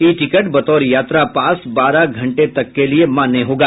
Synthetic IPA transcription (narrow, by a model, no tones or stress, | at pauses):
iːʈɪkəʈbɐt̪ɔːɾjaːt̪ɾapãːsbaːɾaɡʱɐ̃ɳʈet̪ɐkːeliemaːnːeɦoːɡaː